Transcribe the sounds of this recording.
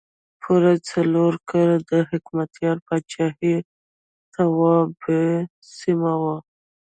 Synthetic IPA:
pʰuɾat͡saloɾkɑlad̪əɦɪkmat̪jɑɾpat͡ʃɑhi | t̪awɑbe | simawa

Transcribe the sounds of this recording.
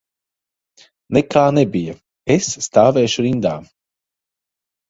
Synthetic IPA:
nɛkaːnɛbija | esːt̪aːvɛːʃuɾind̪aː

